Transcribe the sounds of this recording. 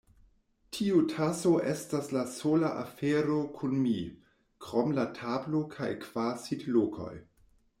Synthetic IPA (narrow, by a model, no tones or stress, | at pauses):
tʰiutʰasoʔestaslasolaʔafeɾokʰunmi | kɾomlatʰablokʰajkv̥asidlokʰo̞̰j